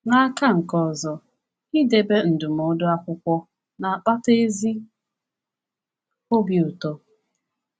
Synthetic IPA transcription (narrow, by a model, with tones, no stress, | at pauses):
na˦a˦ka˦ŋ̩˨kɔ˨zɔ˨ | i˦de˦be˦n̩˨dʊ˨m˨o˨˦dʊ˦a˦kʷʊ˦kʷɔ˦ | na˨a˨k͡pa˦te˦zi˦ | o˦bi˨ʊ˨tɔ˦